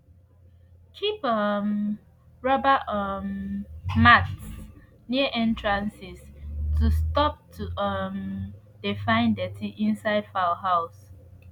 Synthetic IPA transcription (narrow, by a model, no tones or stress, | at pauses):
kʰipʌm | ɹɔbəʌmmats | niəʔɛ̃ntɹãnsistʰustɔp̚tʰuʌm | d̥efãɪ̃ndɛtʰiʔĩnsaɪdfahaʊs